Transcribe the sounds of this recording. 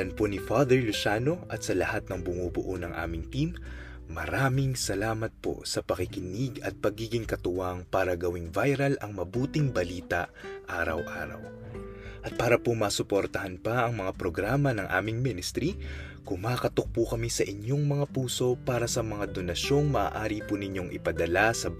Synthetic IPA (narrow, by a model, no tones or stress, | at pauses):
ɐnponɪfad̪ɛɹlʊʃaːno̞ʔɐt̪sɐlɐhat̪̚nɐŋbʊmubʊʔonɐŋʔa̰ːmɪŋt̪imː | ɐ̰ɾaːmɪŋsɐlaːmɐt̪̚po̞̰sɐpɐkɪkɪnɪɡɐt̪̚pɐɡiːɡɪŋkɐt̪ʊwaŋpaːɾɐɡɐwɪŋvajɾɐlʔɐŋmɐbuːt̪ɪŋbɐliːt̪ɐʔaːɾɐ̰wʔa̰ːɾɐ̰w | ʔɐt̪̚paːɾɐpomɐsʊpoɾt̪ɐhɐnpɐʔɐŋmɐŋapɾoɡɾaːmɐnɐŋʔa̰ːmɪŋmɪnɪst̪ɾi | kʊmaːkɐt̪ok̚pʊkɐmisɐʔɪɲjo̞ŋmɐŋapuːso̞paːɾɐsɐmɐŋad̪o̞nɐʃo̞ŋmɐʔa̰ːʔaːɾipunɪɲo̞ŋʔɪ̰pɐd̪ɐlasɐ